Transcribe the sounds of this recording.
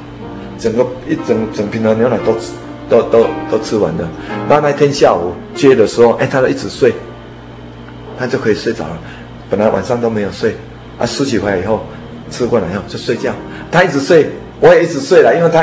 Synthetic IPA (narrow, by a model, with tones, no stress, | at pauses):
t͡sə˨˩ŋɡə˧i˦t͡sə˨˩ŋt͡sə˨˩ŋ˩pʰi˨˩nd̪ə˨˧njo˧˦na˨˩t̪o˦ʊ | t̪o˦ʊt̪o˦ʊt̪o˦ʊt͡sʰɨ˦wa̰˨˦nd̪ə˨na˥˧˦na˥˧ɪt̪ʰjɛ˦nɕja˥˨ṵ˨˩ | t͡ɕɥɛ˦˧d̪ə˨ʂɻ̩˧˦o˥˧ʊʔẽ˧˦t̪ʰa˦˥o˥˧˦ʔi˥t͡sɹ̩˨˩swe˥˨ɪ | t̪ʰa˦˥t͡ɕjo˥˧ʊkʰɤ˧˥i˨˩swe˥˩t͡sa̰˨˩ʊlə˨˩ | pə˨˩nla˨˦ɪwʔa̰˨˩nsɑ˥˧ŋt̪̬o˦ʊmẽ˧˦ɪjo˨˩ʊswe˥˩ɪ | ʔa̰˦˩sɹ̩˧˦t͡ɕʰi˨kʰwa˧˨i˨˩ɦo˥˨ʊ | t͡sʰɨ˦kwɔ˥˧˨na˨˩˨jo˥˧t͡ɕjo˥˧ʊswe˥˧ɪt͡ɕja˥˨ʊ | t̪ʰa˥˦i˥˩t͡s̩˨˩swe˥˩ɪ | wɔ˨˦jɛ˨˩i˦˥t͡sɹ̩˨˩swe˥˩ɪla˨ʔi˦nwe˥˩ɪt̪ʰa˦